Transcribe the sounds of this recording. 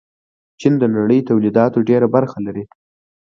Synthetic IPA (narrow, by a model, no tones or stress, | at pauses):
t͡ʃind̪ənaɽəjt̪awlid̪ɑt̪oɖeɾabaɾxalaɾi